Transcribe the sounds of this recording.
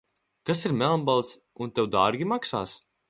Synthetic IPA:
kasiɾmɛlˠmbalˠt̪s | unt̪ewd̪aːɾɡʲimaksa̰ːs

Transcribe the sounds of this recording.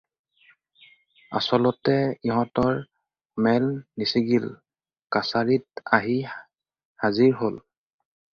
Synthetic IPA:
a̰sɔlɔtɛiɦɔ̃tɔɹ | mɛlnisiɡil | kasaɹitaɦi | haziɹɦol

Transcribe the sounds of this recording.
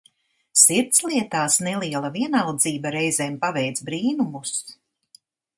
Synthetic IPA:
siɾt̪sliɛt̪aːsnɛlˠiɛlˠaviɛnalˠd̪ziːbaɾɛjzɛːmpavɛjt̪zbɾiːnumus

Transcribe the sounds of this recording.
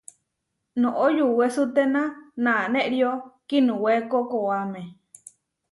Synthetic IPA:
nõʔojuwesut̪enãnãːnẽʔɾiokinũwekokoamẽ

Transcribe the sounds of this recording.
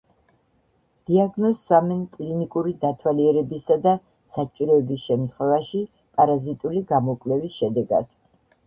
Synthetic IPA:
d̪̥iaɡnɔsamɛnkʼlinikʼuɾid̪at̪ʰwaliɛɾɛbisad̪a | sat͡ʃʼiɾɔɛbisʃɛmt̪ʰχwɛvaʃi | pʼaɾazit̪ʼuliɡamɔkʼlɛvisʃɛd̪ɛɡa̰d̪̥

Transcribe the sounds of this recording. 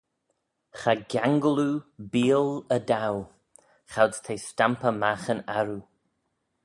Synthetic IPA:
xaɡaŋɡəlubiːləd̪aw | xawst̪ʰejstampəmaxənaɾu

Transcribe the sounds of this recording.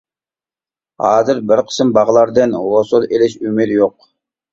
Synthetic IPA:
hɑːzɨɾbɪɾqʰə̥sɪmbɑʁlˠɑɾd̪ɨnwosulˠelɪʃymɪɾjoq̚

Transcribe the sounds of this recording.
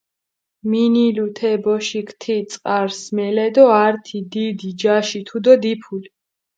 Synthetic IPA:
minilut̪ʰɛbɔʃikʰt̪ʰit̪sʼqʼaɾsmɛlɛd̪ɔaɾt̪ʰid̪id̪id͡ʒaʃit̪ʰud̪ɔd̪ipʰuli

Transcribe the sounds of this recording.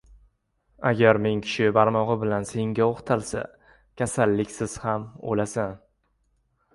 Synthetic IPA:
aɡʲaɾme̞ŋkʲʰɪ̥ʃɪbaɾmɒʁɨbɪlanse̞ŋɡʲaoχt̪ʰalˠsa̰ | kʲʰasalːɪkʲsɪz̥hamo̰lasan

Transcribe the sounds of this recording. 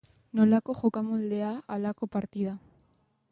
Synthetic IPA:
nolakoxokamold̪eaalakopaɾt̪iða

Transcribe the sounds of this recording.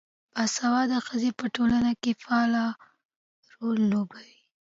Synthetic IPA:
basawɑd̪əxəzepəʈolanakefɑlɑ | ɾolːobawi

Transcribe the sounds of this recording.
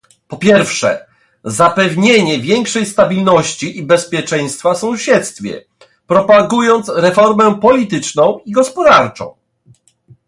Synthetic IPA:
pɔpʲjɛɾfʂɛ̰ | zapɛvɲeɲɛvʲjɛŋkʂɛjst̪abʲilnɔɕt͡ɕiʔibɛspʲjɛt͡ʂɛ̃j̃st̪fasɔ̃w̃ɕɛt̪st̪fʲjɛ̰ | pɾɔpaɡujɔnt̪sɾɛfɔɾmɛpɔlʲit̪ɘt͡ʂnɔ̃w̃iɡɔspɔd̪aɾt͡ʂɔ̰̃w̃

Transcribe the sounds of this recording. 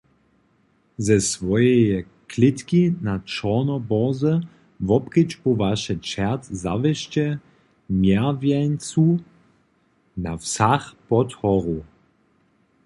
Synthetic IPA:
zɛsvɔjɛjɛ | klɪt̪kinat͡ʃɔnɔbɔzə | vɔpkit͡ʃpɔvaʃɛt͡ʃɛʁtzavɛʃt͡ʃɛ | mjɛvjɛnt͡su | nafsaxpɔt̪hɔʁu

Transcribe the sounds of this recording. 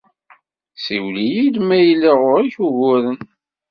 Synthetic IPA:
siwlijid̪mæjlːiʁʊɾiçuʝʊɾən

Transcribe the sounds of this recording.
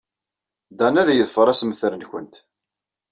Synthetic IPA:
d̪ænæðjəðfəɾˤæsmθɾənçə̰nt̪

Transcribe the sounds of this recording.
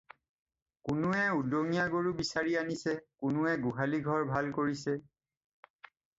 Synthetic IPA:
kʊnʊɛudoŋijaɡoɹubisaɹianisɛkʊnʊɛɡuɦaliɡʱɔɹbʱalkoɹisɛ

